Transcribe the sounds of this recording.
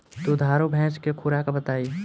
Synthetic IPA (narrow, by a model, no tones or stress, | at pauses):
t̪od̪ʱaːɾobʱɛ̃ːt͡ʃkekʰʊɾakabət̪aːi